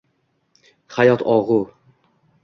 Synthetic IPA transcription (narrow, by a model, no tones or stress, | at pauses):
χajɒt̪ʰɒʁʊ